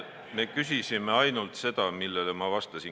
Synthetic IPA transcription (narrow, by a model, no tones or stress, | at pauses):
me̞kys̬isime̞ɑjnult̪se̞d̪̥ɑmilːelemɑvɑst̪ɑsin